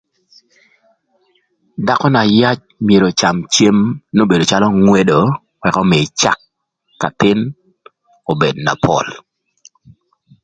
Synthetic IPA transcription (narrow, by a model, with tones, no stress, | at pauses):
da˦kɔ˦na˨ja˦t͡ʃ | mje˨ɾo˨t͡ʃa˨mt͡ʃje˦mno˦be˨do˨t͡ʃa˦lɔ˦ŋwe˦do˨ | wɛ˨kɔ˦me˨t͡ʃa̰˦kː | a̰˨t̪ɪ˦n | o˨be˨dna̰˨pʰɔ̰˦˨l